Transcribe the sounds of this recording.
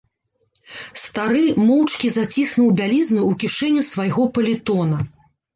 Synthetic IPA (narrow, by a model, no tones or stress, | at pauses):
st̪aɾɨmɔwt͡ʂkʲizat͡sʲisnuwbʲalʲiznuːkʲiʂɛnʲːusvajɣɔpɐlʲit̪ɔnɐ